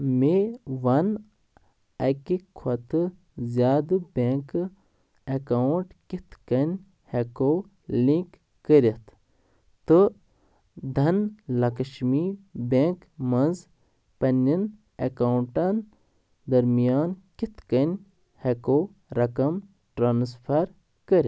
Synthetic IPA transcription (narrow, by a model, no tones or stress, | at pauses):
meʋɐn | ɐkikʰɐt̪ɨ | zʲjaːd̪ɨbʲeːk | ɐkaɳʈkit̪ʰkɐnʲ | hekoː | lĩkː | əɾʲɐt̪ʰ | t̪ɨ | d̪ʱɐnlɐkɐʃmibeːŋk | mɐnz | pɐnʲin | ɐkawuɳʈɐn | d̪ɐɾmijaːnkit̪kɐnʲ | hekoː | ɾɐkɐm | ʈɾaːnspʰɐɾ | kəɾʲi